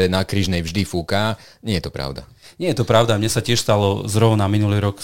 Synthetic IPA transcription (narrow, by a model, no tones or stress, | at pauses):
ɛnakɾiːʒnɛjvʒd̪ifuka | ɲɪɛjɛt̪ɔpɾa̰ʊd̪aɲɪɛjɛt̪ɔpɾaʊd̪amɲɛsacɪɛʃst̪alɔzɾɔʊnaminuliːɾɔk